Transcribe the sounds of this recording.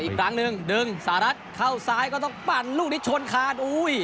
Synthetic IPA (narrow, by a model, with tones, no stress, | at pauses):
ʔiː˨kʰɾa˦˥ŋnɯ˧ŋdɯ˧ŋsaː˩˦˧ɾa˦˥t̪̚kʰa˧˥˩wsaː˦˥jkɔː˥˩t̪ɔː˥˩ŋk͡pa˧˩nluː˥˩k̚ni˦˥t̪̚t͡ɕʰo˧nkʰaː˧˩nʔuː˧˥j